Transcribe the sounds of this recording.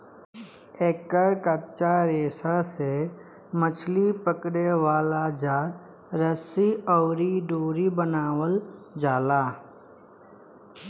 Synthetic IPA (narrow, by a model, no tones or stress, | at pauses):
eːkəɾkət͡ʃaɾeːsase | mət͡ʃʰlipəkɽeʋaːlad͡ʒaːɾ | ɾəsiɔːɾiɖoːɾibənaːwəld͡ʒaːlaː